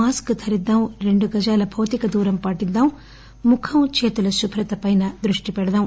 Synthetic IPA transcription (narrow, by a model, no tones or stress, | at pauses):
aːskɨt̪ʰɐɾid̪ːaːmɾe̞ɳɖuɡɐd͡ʒaːlɐbʱɐwt̪ikɐd̪uːɾɐmpɐʈid̪ːaːm | mukʰɐmt͡ʃeːt̪ulɐʃubʱɾɐt̪ɐpɐjnɐd̪ɾuʂʈipɛɽɐd̪aːm